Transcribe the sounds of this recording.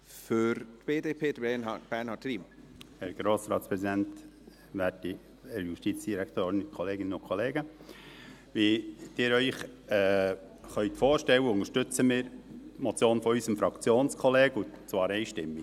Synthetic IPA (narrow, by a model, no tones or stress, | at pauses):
fʏɾtb̥eːdeːpʰeːd̥əb̥ænhɑːtriːm | hɛɾɡ̥ɾoːsɾɑ̰ːtspɾɛzidɛnt | ʋæti | ɛɾjuʃtit͡sd̥iɾækʰt̪oːɾɪnkʰɔleːɡɪnənʊkʰχɔleːɡə | ʋid̥ɪːɾœʏχɛː | χœʏt̪foːɾʃtɛwːəʊŋəʃtʏt͡səmɪːɾmɔt͡sjoːnfɔysəmfɾɑkt͡sjoːnskʰɔleːɡʊt͡svɑːɾɛɪʃtɪmːi